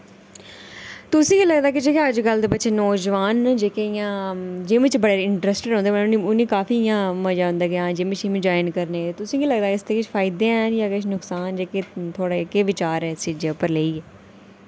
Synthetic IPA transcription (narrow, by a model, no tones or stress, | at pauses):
t̪ʊsĩːɡiːləɡd̪aːkɪd͡ʒeːkeəd͡ʒɡəld̪eːbətːʃeːnɔːd͡ʒʋaːnd͡ʒeːkeɪjãːd͡ʒeːmɪt͡ʃbəɽeːɾɪɳʈɾəsʈɾõːnd̪eːʋəniʊnĩːkaːfiːjãːməd͡ʒaːʊ̃nd̪aːɡɪjãːd͡ʒeːmɪt͡ʃiːmĩd͡ʒaːɪnkəɾnẽːt̪ʊsĩːɡiːləɡd̪aːkɪst̪eːkɪt͡ʃfʰaːɪd̪enjaːkɪʃʰnʊksaːnd͡ʒeːkeːt̪ʰoːɽaːkeːʋɪt͡ʃaːɾɛːsɪd͡ʒeːpəɾleiːɛː